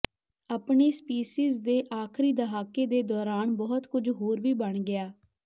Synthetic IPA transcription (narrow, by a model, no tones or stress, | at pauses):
aːpɳeːspiːsiːzd̪eːʔaːkʰɾiːd̪əɦaːkeːd̪eːd̪ɔːɾaːnbɔːt̪kʊd͡ʒɦoːɾʋiːbəɳɡɪaː